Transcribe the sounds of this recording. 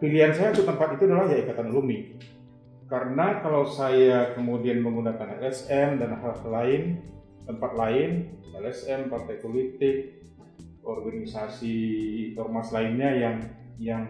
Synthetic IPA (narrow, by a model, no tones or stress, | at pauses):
piliansajat̪ut̪əmpat̪it̪uadalahjaikat̪anlumi | kaɾənakalawsajakəmudianməŋɡunakanɛlɛsɛmdanaɦahlaɪn | t̪əmpat̪̚laɪnɛlɛsɛmpart̪ajpolit̪ɪk̚ | ɔrɡanisasinɔrmaslaɪnɲajaŋ | jaŋ